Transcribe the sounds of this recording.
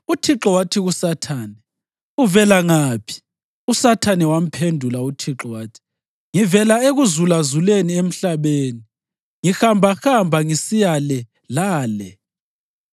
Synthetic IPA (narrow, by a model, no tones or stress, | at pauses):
utʰiǁɔwatʰiɣusatʰaːnɛ | uvɛlaŋapʰi̥ | usatʰanɛwam̩pʰendʱulautʰiǁɔwatʰi̥ | ŋivɛlaeɣuzulazuleniem̩ɬaβeːni | ŋixambʱaxambʱaŋisijalɛ | laːlɛ